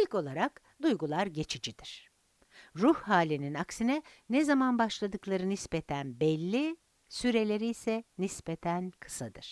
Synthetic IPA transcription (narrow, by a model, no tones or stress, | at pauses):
ilʲco̞lˠaɾak | d̪ujɡulˠaɾɟe̞t͡ʃʰid͡ʒid̪̥iɾ̥ | ɾuhhaːlʲininaksinɛ | nɛzamanbaʃlˠad̪ɯklˠaɾɯnispet̪ʰænbɛlʲːi | syɾe̞lʲe̞ɾijsɛnispet̪ʰænkʰɯ̥sad̪ɯɾ̥